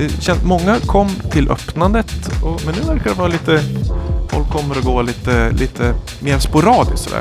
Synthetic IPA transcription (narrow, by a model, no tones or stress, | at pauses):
d̪ɛɕɛnmɔŋːakʰɔmːt̪ʰɪlʔœ̰pnand̪ət̪ɔmɛnːʉ̟ːvæɾkad̪ɛvɑːɾaliːt̪əfɔ̰lkʰːɔmːəɾɔɡoːliːt̪əlʔiːt̪ʰə | meːɾspʊɾɑːd̪ɪsɔd̪æ̰ːɾ